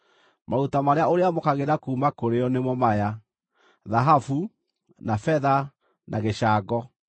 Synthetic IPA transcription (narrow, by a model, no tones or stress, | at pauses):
mautamaɾeaoɾeamokaɣeɾakuːmakoɾeɔnemɔmaja | ðaɦafu | nafɛða | nʔa̰ɣeɕaːɡɔ